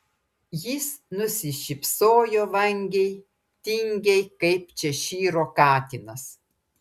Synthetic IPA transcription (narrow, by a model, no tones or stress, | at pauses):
jɪsnʊsʲɪʃʲɪpʲsoːjoːʋɐŋʲɡʲɛj | t̪ʲɪŋʲɡʲɛɪkɐɪpt͡ʃʲɛʃʲiːɾoːkɑːt̪ʲɪnɐs